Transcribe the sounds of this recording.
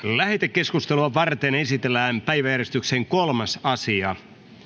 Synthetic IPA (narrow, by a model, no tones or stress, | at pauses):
læhet̪ekːe̞skust̪eluɑʋɑrt̪ene̞sit̪elːæːmpæjʋæjærjest̪ykseŋkolmɑsɑsiɑ̰